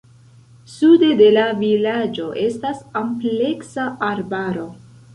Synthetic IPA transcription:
sude̞de̞lavilad͡ʒo̞ʔe̞stasample̞ksaaɾbaɾo̞

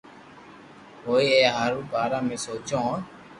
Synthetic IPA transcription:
ɦoːiɛaɾũbaːɾamẽsoːt͡ʃõ

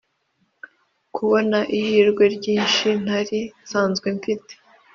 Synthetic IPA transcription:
kʰuβo̞naʔihiːɾɡwe̞ɾɟiːnʃin̥haɾisaːnzɡwe̞ɱfite̥

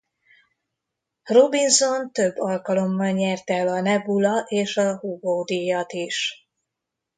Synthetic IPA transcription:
ro̞binzo̞nt̪ø̞bːɒlkɒlo̞mːɒlɲɛrt̪ɛlɒnɛbulɒʔeːʃɒhuɡoːd̪ijɒt̪iʃ

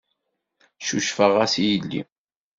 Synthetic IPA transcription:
ʃuʃfəʁæsijəlːḭ

